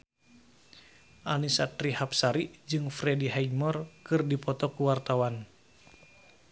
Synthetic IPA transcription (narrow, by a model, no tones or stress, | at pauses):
ʔanisat̪rihap̚saɾid͡ʒɨŋfɾɛdiɦajmɔrkɨrdipɔt̪ɔkuwart̪awan